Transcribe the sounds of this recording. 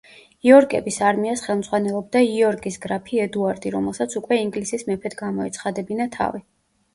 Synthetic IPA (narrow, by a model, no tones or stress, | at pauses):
iɔɾkʼɛbisaɾmiasχɛlˠmd̪zʁwanɛlˠɔb̚d̪aiɔɾkʼisɡɾapʰiɛd̪uaɾd̪iɾɔmɛlˠsat̪sʰukʼwɛiŋɡlisismɛpʰɛd̪ɡamɔɛt̪sʰχad̪ɛbinat̪ʰa̰vi